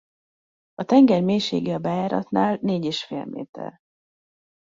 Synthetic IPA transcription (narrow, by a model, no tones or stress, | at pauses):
ɒt̪ɛŋɡɛrmeːʃḛːɡiɒbajaːɾɒ̰t̪naːlneːɟeːʃfḛːlmḛːt̪ɛ̰r